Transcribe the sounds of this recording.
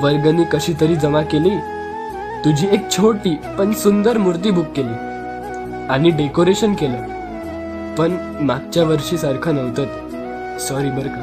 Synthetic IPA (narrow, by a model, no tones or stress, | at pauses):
ʋəɾɡənːiːkəɕiːt̪əɾiːd͡zəʋakeliː | t̪ud͡ʑʱiːek̚t͡ɕʰoʈiːpəɳsund̪əɾmuɾt̪̬iːbʱukːeliː | aɽ̃iɖekoɾeɕənkelə | pəɳ | maɡ̚t͡ɕjaʋəɾʂiːsaɾkʰənəʋt̪at̪ | sɔɾiːbəɾkʰə